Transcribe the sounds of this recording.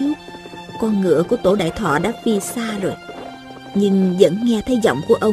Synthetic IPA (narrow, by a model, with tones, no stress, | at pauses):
kɔ˧nŋɨ̰˧˨əku˧˩ət̪o˧˩ɗa̰ː˧˨jt̪ʰwɔ̰ː˧˨ɗa̰ː˧˥fi˧saː˧zo˨˩j | ɲɨ˧ŋzə̰˧˥nŋɛ˧t̪ʰə˨˦jzɔ̰˧˨wŋ͡mku˧˩əʔə˧w